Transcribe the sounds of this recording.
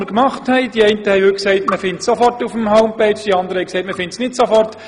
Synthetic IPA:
əɾkmɑχthɛɪd̥iɛɪntəhɛɪʋʏksɛɪtməfɪntsofɔrtufəm̩ɦoʊmpɛɪt͡ʃd̥iɑndəɾəhɛɪksɛɪtməfɪntsnɪtsofɔrt

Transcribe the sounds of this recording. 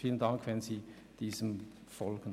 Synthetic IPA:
fiːləndaŋkʰvɛnziː | d̥iːzəm | fɔlɡən

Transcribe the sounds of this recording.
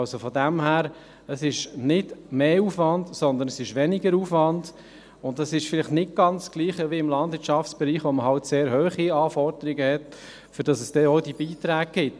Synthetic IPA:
ɑlsofɔdæmhæːɾ | əsɪʃnɪdmeːuːfʋɑndsɔnd̪ənəsɪʃʋɛnɪɡəɾuːfʋɑnd̥ | ʊntːɑsɪʃfɪlɪχtnɪt̚ɡ̥ɑnt͡sːɡ̥liːχəʋiɪmlɑnd̥vɪːtʃɑftsb̥ɛɾiːχʋoməɦɑltseːɾhøːχiɑːfɔɾdəɾɪɡəhɛt | fʏɾd̥ɑsəsd̥ɛːɔʊdibiːtɾæːɡ̚ɡ̥ɪt

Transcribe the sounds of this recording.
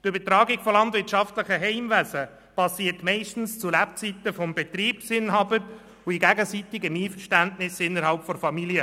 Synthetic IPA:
t̪ʏbətɾɑːɡɪkfɔlɑntʋɪɾtʃɑftləχəɦɛɪmvæzə | pɑsiːtmɛɪʃtn̩st͡sulæpt͡sit̪əfɔmbɛt̪ɾiːpsɪnɦɑbəɾ | ʊiɡæɡəsitɪɡəmiːfəɾʃtæntnɪsɪnːəɾɦɑlpfɔɾfɑmiljə

